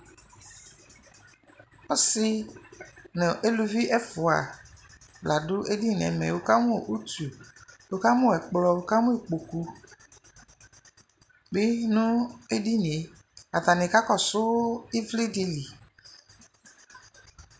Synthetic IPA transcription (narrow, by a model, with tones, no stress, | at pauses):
ɔ˦sɪ˦ | nɪ̃˨ʔe˦lu˦vi˦ʔɛ˦fʊ˨a˨ | bla˨dʊ˦ʔe˦di˦˨n˨ɛ̰˨mɛ̰˨wo˦ka˦mʊ̃˦˨ʔu˦tu˨o˦ka˦mʊ̃˦˨ɛ˨k͡plɔ˨wʊ˦ka˦mʊ̃˦i˨k͡po˨ku˦ | bɪ˦nʊ̃˦e˦di˦nĩ˨e˨ | a˨t̪a˨nɪ̃˨ka˦kɔ˨sʊ˦ɪ˦vli˦di˦li˨